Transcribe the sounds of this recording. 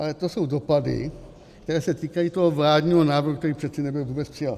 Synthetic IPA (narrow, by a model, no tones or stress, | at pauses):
ʔalɛt̪o̞so̞wdo̞padɪ̰ | k̚t̪ɛɾɛːsɛt̪iːkajiːt̪oɦovlaːdɲiːɦonaːvɾɦukt̪ɛɾiːpr̥ɛt͡sɪnɛbɪlvuːbɛt͡spr̥ɪjal